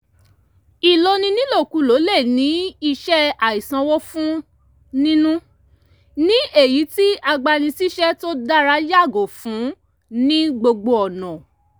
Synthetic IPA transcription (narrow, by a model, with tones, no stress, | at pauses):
i˨lo˧nĩ˧nĩ˦lo˦˨ku˨˦lo˨˦lɛ˦˨nĩ˨˦i˧ʃɛ˦a˨i˨sã˧wɔ˦fũ˦ | nĩ˦nũ˦ | nĩ˦e˦˨ji˨˦ti˦a˧ɡ͡ba˧nĩ˧si˦ʃɛ˦to˦da˦ɾa˧˦ja˦˨ɡo˨fũ˨˦ | nĩ˦ɡ͡bo˧ɡ͡bo˧ɔ˨nã˨